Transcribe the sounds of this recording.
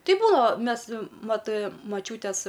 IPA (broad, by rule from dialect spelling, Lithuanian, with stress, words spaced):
ˈtɐɪ ˈbuːnɐoː ˈmʲɛs ˈmɐt mɐˈt͡ʃʲuːtʲeːs